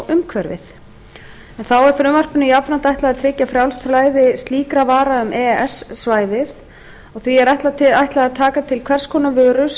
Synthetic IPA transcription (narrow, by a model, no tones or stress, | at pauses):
ʔʏmkʰvɛɾvɪ̰θ | ɛnθawɛɾ̥fɾʏːmar̥pʏnʏiapvɾan̥t̪ajht̪laðat̪ʰvɪːcːafɾjawlst̪laːjðɪst̪liːkɾavaːɾaʏmɛɛsːvaːjðɪð | ɔɣθviɛɾajht̪lat̪ʰɪajht̪laɣat̪ʰaːkat̪ʰɪlkʰvɛr̥skʰɔːnavœːɾʏs